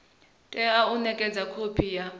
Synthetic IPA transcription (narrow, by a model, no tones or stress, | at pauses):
tʼɛaunɛkʼɛd͡zʱakʰopʰija